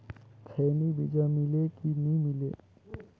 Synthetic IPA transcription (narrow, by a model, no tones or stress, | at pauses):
kʰenibid͡ʒamilekinimile